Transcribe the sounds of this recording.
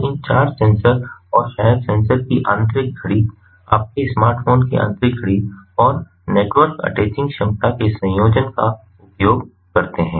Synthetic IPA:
ɪ̃nt͡ʃaːɾd͡ʒsɛ̃ːnsəɾɔːɾʃaːjəɾsɛ̃ːnsəɾkiʔã̰ːnt̪ɾɪk̚ɡʱəɽiː | a̰ːp̚keɪsmaːɾʈfʰoːnkḭʔã̰ːnt̪ɾɪkʰəɽiɔːɾ | neːʈwəɾkɐ̰ʈeːt͡ʃɪ̃ŋɡʃɐ̃mt̪akesɐ̃joːd͡ʒənka | ʊpjoːɡ | kɐɾt̪eɦɛ̃ː

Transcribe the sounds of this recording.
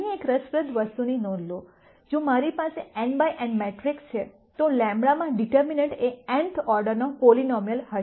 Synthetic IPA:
niekɾəspɾəd̪ʱʋəst̪uninɔnlo | d͡ʒõmaɾipaseɛɳbajʔɛ̃ɳɖmeʈɾikst͡ʃʰe | t̪olɛ̃mbɭamãɖiʈəɾminəɳʈeɛ̃ɳʈʰɔɾɖəɾnokolinɔmjəlhəʃ

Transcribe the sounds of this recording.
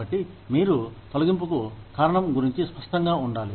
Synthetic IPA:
ɐʈːi | miːɾut̪ɐluɡimp̬ukukaːɾɐɳɐmɡuɾiɲt͡ʃispɐʂʈɐŋɡaːuɳɖaːli

